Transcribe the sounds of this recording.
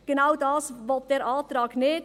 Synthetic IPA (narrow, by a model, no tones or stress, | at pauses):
ɡ̥ənaʊdɑːsvɔlt̚d̥eːɾʔaːtɾɑːknɪːt